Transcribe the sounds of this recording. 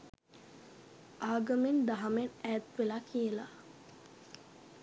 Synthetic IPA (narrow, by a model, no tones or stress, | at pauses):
ʔaːɡəmend̪aɦamenæːt̪ʋelakʰijəla